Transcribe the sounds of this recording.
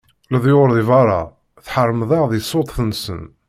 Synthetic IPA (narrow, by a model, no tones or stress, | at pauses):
liðˤjʊɾðivɑɾˤɑ̰ | θħəɾˤmðˤɑʁðisˤːot̪ˤθnsə̰n